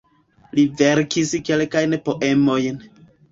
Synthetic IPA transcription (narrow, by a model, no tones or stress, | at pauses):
liveɾkiske̞lkajnpo̞ʔe̞mo̞jn